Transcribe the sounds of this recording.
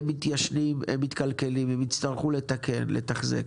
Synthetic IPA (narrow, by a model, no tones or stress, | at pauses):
mːit̪jaʃnimemːit̪kalke̞limemit̪st̪aʁχule̞t̪akʰe̞̰nlḛt̪aχzḛk